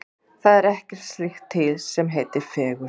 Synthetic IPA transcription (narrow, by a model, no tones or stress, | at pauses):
θaðɛɾɛhcɛɾ̥t̪st̪lɪxt̪ʰːɪlsɛmɦejt̪ɪɾfɛːɣʏɾ̥